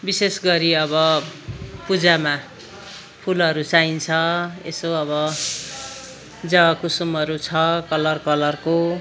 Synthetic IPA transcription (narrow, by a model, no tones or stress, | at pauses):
bisesɡʌɾiʌbʌ | pud͡zama | pʰulʌɾut͡saint͡sʰʌḛsoʌβʌ | d͡zʌkusumʌɾut͡sʰʌkʌlʌrkʌlʌrko